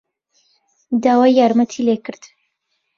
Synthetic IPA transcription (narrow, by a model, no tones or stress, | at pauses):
d̪aːwaːjːaːɾmət̪ʰiːlekɨɾd̪̥